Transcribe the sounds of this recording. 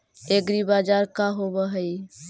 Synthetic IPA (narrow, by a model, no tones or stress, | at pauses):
eɡɾibad͡ʒaɾkaɦobəɦəj